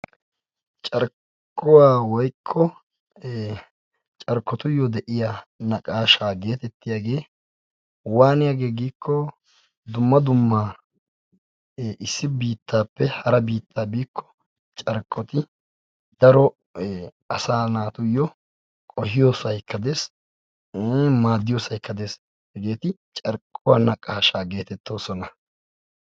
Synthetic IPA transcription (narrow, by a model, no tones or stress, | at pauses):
t͡ʃʼɐɾ | kːɔwaːwɔjkʰːɔ | t͡ʃʼɐɾkːɔt̪ʊjːɔd̪ɛʔɪjaːnɐkʼaːʃaːɡe̞ːt̪ɛt̪ːɪjaːɡe̞ː | waːnɪjaːɡe̞ːɡiːkʰːɔ | d̪ʊmːɐd̪ʊmːaː | ʔɪsːɪbiːt̪ʰːaːpːɛhɐɾɐbiːt̪ʰːaːbiːkʰːɔ̥ | t͡ʃʼɐɾkʼːɔt̪ɪ | d̪ɐɾɔ | ɐsaːnaːt̪ʊjːɔ | kʼɔhɪjoːsɐjkːɐd̪e̞ːs | maːd̪ːɪjo̞ːsɐjkːɐd̪e̞ːs | hɛɡe̞ːt̪ɪ | t͡ʃʼɐɾkʼːɔwanːɐkʼɐhɐʃaːɡe̞ːt̪ɛt̪ːo̞ːsɔnɐ